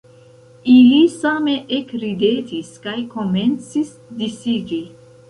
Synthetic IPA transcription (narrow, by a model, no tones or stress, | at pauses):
ilisame̞ʔekɾide̞tiskajko̞me̞nt͡sis | disiɡi